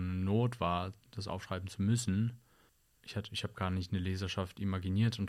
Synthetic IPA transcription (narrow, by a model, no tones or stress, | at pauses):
mnoːtv̥aːɐd̥as̬ʔa̰ʊfʃʁ̥aɪbm̩t͡sumʏsn̩ | ʔɪçhatəɪçhaːbəɡ̥aːɐnɪçtnəleːzɐʃaftʔimaɡiniːɐtʊnt